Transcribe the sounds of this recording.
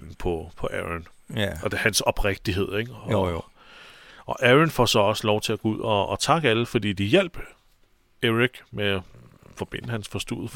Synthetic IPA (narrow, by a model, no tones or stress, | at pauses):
n̩pʰɒ̽pʰɒ̽ʔæʁɐn | ɒd̥hænsɒ̽b̥ʁeɡ̥̚d̥iɦe̝ð̞̰ˠeɡ̥ | ɒ̽ʔæʁɐnfɒsɒ̽ɒ̽səlɒʊt͡sʰe̝æɡ̥ouð̞̰ˠɒːt͡sʰɑ̈ɡ̥əæləfɒ̽d̥ḭːd̥ijel̰b̥ | eʁiɡ̥meæ | fɒ̽b̥e̝n̰əhænsfɒ̽sd̥ṵð̩ˠ